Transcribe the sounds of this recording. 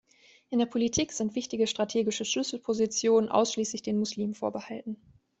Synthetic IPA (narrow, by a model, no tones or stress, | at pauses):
ʔɪndeːɐpʰolitʰiːkz̥ɪntv̥ɪçtɪɡəʃtʁ̥atʰeːɡɪʃəʃlʏsl̩pʰozit͡sjoːnənʔa̰ʊsʃliːslɪçd̥eːnmʊsliːmfoːɐbəhaltn̩